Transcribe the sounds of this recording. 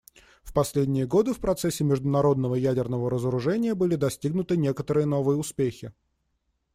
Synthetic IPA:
fpɐsʲlʲedʲnʲɪjəɡo̞d̪ɨfpɾɐt̪sɛsʲːɪmʲɪʐd̪ʊnɐɾo̞d̪̚nəvəjædʲɪrnəvəɾəzəɾʊʐɛnʲɪjəbɨlʲɪd̪ɐsʲtʲiɡnʊt̪ɨnʲekət̪əɾɨjəno̞vɨjəʊspʲexʲɪ

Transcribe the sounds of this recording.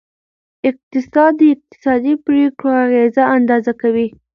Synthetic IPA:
ɪq̚t̪ɪsɑd̪ːəɪq̚t̪ɪ̥sɑd̪ipɾekɽoaɣezaand̪ɑzakawi

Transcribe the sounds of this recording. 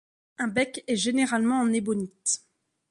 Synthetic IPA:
ɛ̃bɛkɛʒeneʁalmɑ̃ːnebɔnit̪

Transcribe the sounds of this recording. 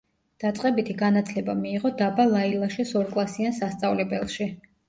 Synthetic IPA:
d̪̥at̪sʼqʼɛbit̪ʰiɡanat̪ʰlɛbamiːʁɔd̪abalˠailˠaʃɛsɔɾkʼlˠasiansast̪sʼavlɛbɛlˠʃi

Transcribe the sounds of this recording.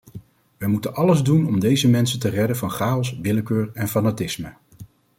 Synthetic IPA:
ʋəjmutənʔɑləzdunɔmdejzəmɛnsəntərɛdəvɑnχaːɔsʋɪləkøːɹɛnfanatɪsmə

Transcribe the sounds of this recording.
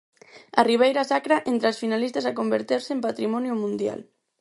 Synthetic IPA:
a̰riβ̞ejɾasakɾaʔent̪ɾasfinalist̪asakombeɾt̪eɾsempat̪ɾimɔnjumũnd̪ja̰l

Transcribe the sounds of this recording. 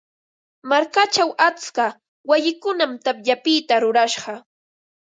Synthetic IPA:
maɾkat͡ʃawat͡ska | wajɪkʊnamt̪apʎapɪːt̪aɾʊɾaʃɢɑ

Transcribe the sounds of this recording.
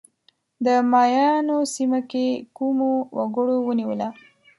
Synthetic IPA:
d̪əmɑjɑnosimakekumowa̰ɡəɽowəniwəla

